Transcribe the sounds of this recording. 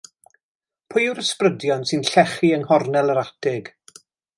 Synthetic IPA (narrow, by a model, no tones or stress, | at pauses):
pʰʊjuɾəsprədjɔnsɨnɬɛχiəŋhɔrnɛlˠəɾatʰɪɡ̥